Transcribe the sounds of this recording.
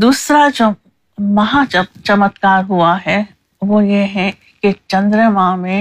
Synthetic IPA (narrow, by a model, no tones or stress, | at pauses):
d̪uːsɾad͡ʒoː | mɐɦat͡ʃɐmət̪kaːɾɦuaɦɛ | ʋojeɦɛ̃ | ket͡ʃɐ̃nd̪ɾəmãːmẽ